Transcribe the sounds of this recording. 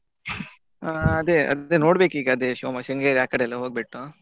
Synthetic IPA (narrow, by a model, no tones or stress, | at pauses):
aɐd̪eɐ̰eno̞ːɽbeːkiːɡɐːd̪eʃoːmɐʃɐŋɡeːɾjaːkːɐɽeːlːɐɦoːɡ̚beʈːu